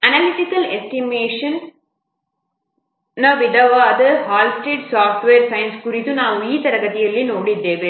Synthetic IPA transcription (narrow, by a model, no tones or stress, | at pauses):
ɐnɐlɪʈ̪ɪkːɐlɛsʈimeːʂɐn | ɐʋɪdɐʋaːd̪ɐhaːlsʈɾiːʈsaːfʈʋeːɾsɐjnskʊɾɪt̪ːunãːʊjit̪ɐɾɐɣɐðɪjɐlːinoːɽid̪eːʋe